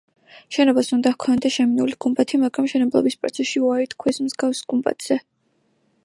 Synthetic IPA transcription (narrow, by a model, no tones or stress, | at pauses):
ʃɛnɔbasund̪ahkʰɔnd̪aʃɛminuliɡ̥umbʼat̪ʰimaɡɾamʃɛnɛblˠɔ̰bispʼɾɔ̰t̪sʰɛsʃiuaɾit̪ʰkʰwɛsmzɡafsɡ̥umbʼa̰t̪ʰz̥ɛ